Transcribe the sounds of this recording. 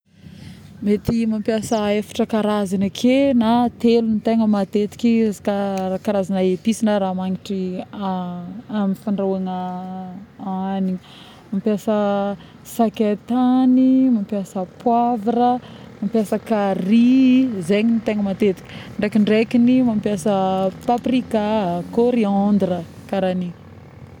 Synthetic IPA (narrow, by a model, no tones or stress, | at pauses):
met̪imampiasəefḁʈ͡ʂəkaɾazinəkʰenat̪elunit̪eŋəmat̪et̪i̥kʲi̥kaakaɾazanaep̪isinəɾaːmaŋiʈ͡ʂi | amifaɳɖ͡ʐawaŋa | aniɲə | mampiasə | saket̪animampjasəpwavarəmampjasəkarizeɲinit̪eŋəmat̪et̪i̥kʲi̥ɳɖ͡ʐekiɳɖ͡ʐekinimampjasəpaprikakoɾiand̪rə | kaɾani